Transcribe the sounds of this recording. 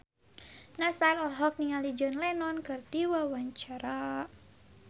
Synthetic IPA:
nasarɔɦɔk̚niŋalid͡ʒɔnlɛnɔnkɨrdiwawaɲt͡ʃaɾa

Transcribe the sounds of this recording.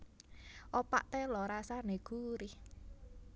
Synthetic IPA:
ʔopa̰ʔt̪elɔɾasaneɡ̥uɾi

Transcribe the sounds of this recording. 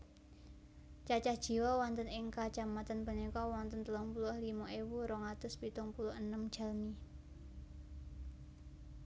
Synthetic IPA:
t͡ʃat͡ʃahd̥ʒ̥i̤wɔwɔnt̪ənɪŋkat͡ʃamat̪ənpənikɔwɔnt̪ənt̪əlɔŋpulʊhlimɔʔewuɾɔŋat̪ʊspit̪ʊŋpulʊhənəmd̥ʒ̥a̤lmi

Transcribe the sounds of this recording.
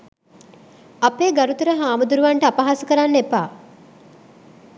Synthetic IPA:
apeːɡaɾut̪uɾəɦaːmud̪uɾuʋaɳʈəapaɦaːsəkəɾanːepa̰ː

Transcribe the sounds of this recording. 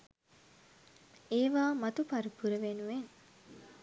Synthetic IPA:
eːʋaːmɐt̪upaɾupuɾəʋenuʋen

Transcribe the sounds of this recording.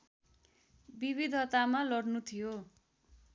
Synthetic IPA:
biβid̪ʱʌt̪amalʌrnut̪ʰijo

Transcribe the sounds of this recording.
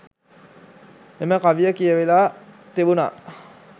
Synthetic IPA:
eməkaʋijəkijəʋelaː | t̪eʋuna̰

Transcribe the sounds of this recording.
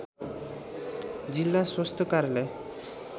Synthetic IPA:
d͡ʑilːasost̪ʰokaɾle

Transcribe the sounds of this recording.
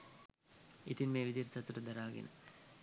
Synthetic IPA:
it̪inmeːʋid̪iɾsɐt̪uɾəd̪ɐɾaːɡḭnə̰

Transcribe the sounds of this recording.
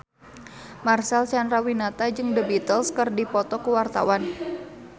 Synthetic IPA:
marsalt͡ʃanɾawinat̪ad͡ʒɨŋdəbit̪əlskɨrdipɔt̪ɔkuwart̪a̰wan

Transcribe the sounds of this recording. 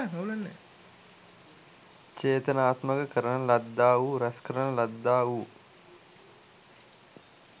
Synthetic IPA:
nɐulɐnːe | t͡ʃeːt̪ənaːt̪məkəkəɾənəlɐd̪ːaːʋuɾɐskəɾənəlɐd̪ːaːʋuː

